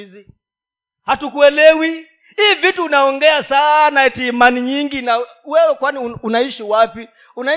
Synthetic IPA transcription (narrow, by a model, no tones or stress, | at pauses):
zi | hatukuɛlɛwi | iːvituːnaɔŋɡɛasanaɛtiːmaniɲiŋɡina | wɛwɛkwaniunaiʃiwapi | una